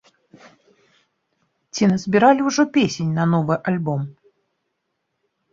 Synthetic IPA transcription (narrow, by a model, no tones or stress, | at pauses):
t͡sʲinɐzʲbʲiɾalʲiwʐɔpʲesʲenʲnɐnɔvɨʔalʲbɔm